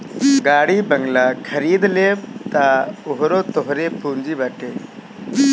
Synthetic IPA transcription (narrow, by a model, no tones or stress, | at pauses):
ɡaːɽibɐŋɡlakʰɐɾiːd̪lebt̪aʊɦɾot̪ɔɦɾepuːnd͡ʒibaʈe